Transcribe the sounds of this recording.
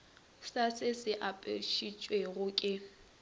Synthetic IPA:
sasɪsɪʔapʼeʃit͡ʃʼweɣʊkʼɪ

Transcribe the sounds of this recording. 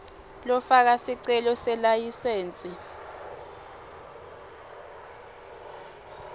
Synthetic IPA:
lɔfak̬asiǀɛlɔsɛlajiseːnt͡sʼi

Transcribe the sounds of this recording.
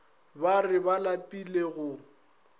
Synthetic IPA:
barɪbalapʼileɣʊ

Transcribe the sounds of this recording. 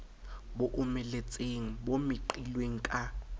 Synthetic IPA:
boʔumɛlet͡sʼeŋ̩bomɪǃilweŋ̩kʼa

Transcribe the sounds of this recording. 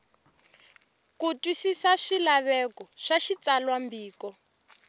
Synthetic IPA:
kutwisisaʃilaβɛkɔʃaʃit͡salwambiːkɔ

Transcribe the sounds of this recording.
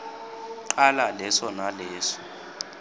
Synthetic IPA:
ǃalalɛsɔnalɛːsɔ̥

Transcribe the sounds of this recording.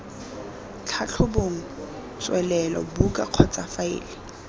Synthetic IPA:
t͡ɬʰat͡ɬʰʊboŋ̩ | t͡sʼwɛlɛlɔ̰bukʼaq͡χʰɔt͡sʼafaɪ̰ːlɪ

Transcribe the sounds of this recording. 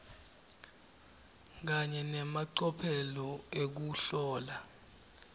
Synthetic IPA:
k̬aɲɛnɛmaǀɔpʰɛlɔek̬uɬɔːla

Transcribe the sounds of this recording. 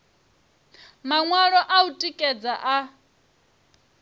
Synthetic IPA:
maŋwaɺɔʔautʼikʼɛd͡zaʔa

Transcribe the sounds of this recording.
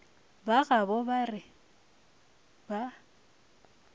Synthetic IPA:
baɣabɔbarɪ | ba

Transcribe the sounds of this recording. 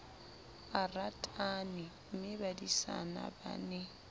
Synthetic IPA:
aratʼanɪmɪbadisa̰na̰ba̰nɛ

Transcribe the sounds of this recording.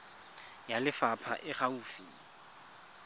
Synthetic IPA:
jalɪfapʰa̰ʔɪχaufiː

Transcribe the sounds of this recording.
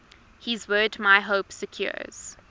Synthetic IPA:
hizwɜːdmaɪɦoʊpsəkʰj̥ɔ̰z̥

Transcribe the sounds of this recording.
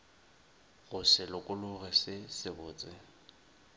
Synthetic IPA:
ɣʊsɪlʊkʼʊlʊɣɛsɪsɪbʊːt͡sʼɪ

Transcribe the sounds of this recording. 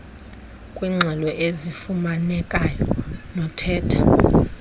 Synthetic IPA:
kʼwiːŋ͡ǀʱɛlɔʔezifumanɛkʼajɔ̰nɔtʰɛːtʰa

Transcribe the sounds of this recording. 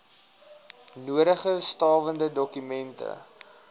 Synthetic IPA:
nuəɾəχəstɑːvəndədɔkymɛntə̰

